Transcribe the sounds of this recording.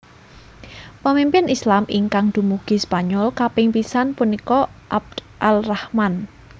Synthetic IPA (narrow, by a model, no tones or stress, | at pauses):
pəmimpɪnislamʔiŋkaŋd̪̥ṳmuɡ̥i̤spaɲɔlkapɪŋpisanpunikɔʔab̚d̪ | ʔalrahman